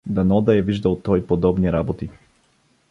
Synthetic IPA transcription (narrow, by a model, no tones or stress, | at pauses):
d̪anɔd̪aɛviʒd̪alˠt̪ɔjpɔd̪ɔbniɾabɔt̪i